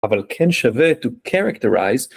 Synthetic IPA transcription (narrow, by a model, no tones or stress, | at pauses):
avalkʰɛ̃nʃavɛt̪ukʰɛɹakt̪əɹa̰jz